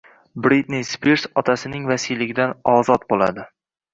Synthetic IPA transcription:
bɾit̪nispiɾsɒt̪ʰasɪnɪŋvasijlɪɡʲɪd̪anɒzɒt̪̚bola̰d̪ɪ

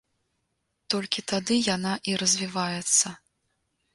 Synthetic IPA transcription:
t̪ɔlʲkʲit̪ad̪ɨjanaʔiɾɐzʲvʲivajɛt̪sːɐ

